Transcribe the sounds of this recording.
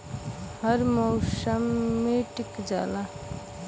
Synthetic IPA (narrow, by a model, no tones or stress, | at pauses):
həɾmɔwsəmːeʈikd͡ʒa̰ːla